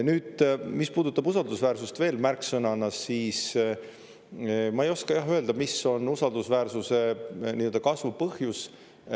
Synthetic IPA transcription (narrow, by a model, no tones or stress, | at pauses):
nyːd̪̥mispuːd̪ut̪ːˑɑbusɑld̪usvæːrsust̪ve̞ːlmærksɤnɑnɑsːiːs | mɑe̞jo̞skɑjɑɦøe̞ld̪ɑmiso̞nːusɑld̪̥usvæːrsuse̞niːøld̪̥ɑkɑsvupɤhjus